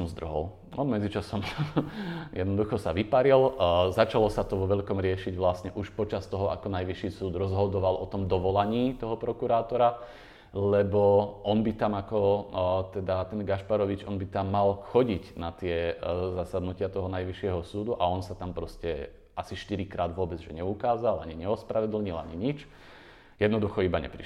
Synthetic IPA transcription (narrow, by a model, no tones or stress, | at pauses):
sɔmzd̪r̩ɦɔ̰l | nɔmɛd͡zit͡ʃasɔm | jɛd̪nɔd̪uxɔsaʋipaɾilzat͡ʃalɔsat̪ɔʋɔʋɛʎkɔmɾɪɛʃiɟʋlasɲɛʔuʃpɔt͡ʃast̪ɔɦɔʔa̰kɔnajʋiʃiːsuːd̪ɾɔzɦɔd̪ɔʋalʔɔt̪ɔmd̪ɔʋɔlaɲiːt̪ɔɦɔpɾɔkuɾaːt̪ɔɾa | lɛbɔʔɔnbit̪amakɔt̪ɛd̪at̪ɛnɡaʃpaɾɔʋit͡ʃɔnbit̪amːalxɔɟiɟnat̪ɪɛzasad̪nucɪat̪ɔɦɔnajʋiʃɪɛɦɔsuːd̪uʔaɔnsat̪ampɾɔscɛ | asiʃt̪iɾikɾaːd̪ʋʊɔbɛd͡zʒɛɲɛukaːzalaɲiɲɛɔspɾaʋɛd̪l̩ɲilaɲiɲit͡ʃ | jɛd̪nɔd̪uxɔibaɲɛ̰pɾḭʃ